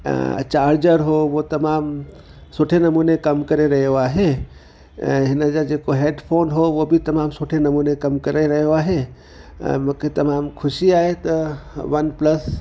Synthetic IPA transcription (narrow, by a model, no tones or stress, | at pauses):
t͡ʃaːɾd͡ʒəɾɦoʋot̪ɐmaːm | soʈʰenɐmuːnekɐmkɐɾeɾɐɦjoaːɦḛ̃ | ɦɪnəd͡ʒad͡ʒeːkoɦeːɖpʰoːnɦoʋobʱit̪ɐmaːmsoʈʰenɐmuːnekɐmkɐɾeɾɐɦjoaːɦḛ | mʊket̪ɐmaːmkʰʊʃiaːɦet̪ɐʋɐnpləs